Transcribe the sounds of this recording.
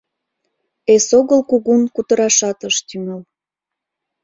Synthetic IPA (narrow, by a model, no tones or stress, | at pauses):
esoɣəlkuɣunkut̪əɾɑʃɑt̪əʃt̪yməl